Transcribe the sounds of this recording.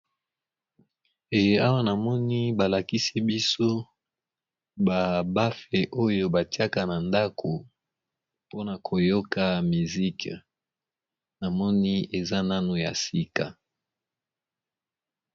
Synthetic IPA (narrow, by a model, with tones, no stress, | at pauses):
e˨je˦a˦wa˦na˨mɔ˦ni˦ba˨la˨ki˦si˦bi˦so˦ | ba˨ba˦fe˨ʔo˦jo˦ba˨ti˦a˦ka˦na˨nda˦kʰo˨ | po˦na˨kʰo˨jo˦ka˨mi˨zi˦k | na˨mɔ˦ni˦e˨za˦na˦nu˨ja̰˨si˦ka˨